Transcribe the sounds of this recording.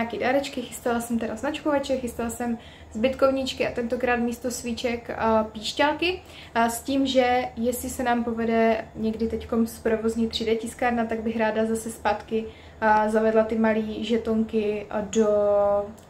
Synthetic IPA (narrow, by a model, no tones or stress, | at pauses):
aːkidaɾɛt͡ʃkɪxɪst̪alasɛmt̪ɛɾaznat͡ʃkovat͡ʃɛxɪst̪alasɛm | zbɪt̪ko̞vɲɪt͡ʃkɪʔat̪ɛnt̪o̞kɾaːt̪miːst̪o̞svit͡ʃɛkpiːʃcalkɪ | sciːmʒɛjɛslɪsɛnaːmpo̞vɛdɛɲɛɡdɪt̪ɛcko̞mspɾo̞vo̞zɲɛt̪r̝̥ɪdɛcɪskaːɾnat̪aɡ̚bɪxɾaːdazasɛspaːt̪kɪ | zavɛdlat̪ɪmaliːʒɛt̪oŋkɪdo̞